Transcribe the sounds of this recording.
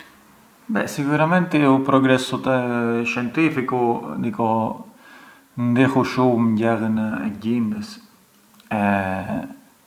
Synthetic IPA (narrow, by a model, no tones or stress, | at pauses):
bɛ̰siɡuɾamɛnt̪iupɾɔɡɾɛsut̪ɛʃjɛnt̪ifikud̪ikɔ | nd̪ixuʃumɲɟɛɣənɛ̰ɟimbəs | ɛ